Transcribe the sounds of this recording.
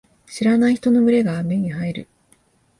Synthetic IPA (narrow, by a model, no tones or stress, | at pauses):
ɕiɾanaiçi̥t̪o̞no̞mɯ̟ɾe̞ɡaːme̞ɲ̟iɦaiɾɯ̟̰